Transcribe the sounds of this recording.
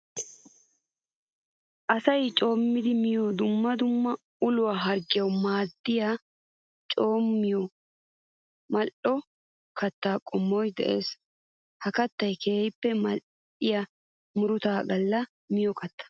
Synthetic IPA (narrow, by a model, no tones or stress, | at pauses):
ʔɐsɐjt͡ʃʼo̞ːmːɪd̪ɪmɪjoːd̪ʊmːɐd̪ʊmːɐ | ʊlʊwaːɦɐɾɡɪjɐwmaːd̪ːɪja | t͡ʃʼo̞ːmːɪjɔ | mɐlʔɔ | kɐt̪ːaːkʼɔmːoːjd̪ɛ̰ʔe̞̰ːs | hɐkɐt̪ːɐjkʰeːjpːɛmɐ | ɪja | mʊɾʊt̪aːɡɐlːɐ | mɪjɔkɐt̪ːɐ̥